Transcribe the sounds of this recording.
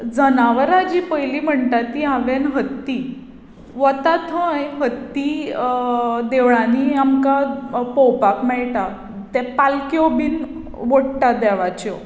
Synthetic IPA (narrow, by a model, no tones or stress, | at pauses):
d͡zənaʋəɾad͡ʑipəjlim̤əɳʈ̪at̪ːiãʋenɦət̪ːi | ʋət̪at̪ʰə̃jɦət̪ːi | d̪eʋɭãniamkapowpapmɛɭʈa | t̪ɛpalkjobiːn | ʋoɽʈad̪ɛʋat͡ɕɔ